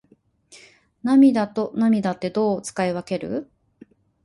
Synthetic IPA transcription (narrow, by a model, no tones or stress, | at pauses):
namʲid̪at̪o̞namʲid̪at̪ːe̞d̪o̞ːt͡sɨ̥kaeβake̞ɾɯ̟̰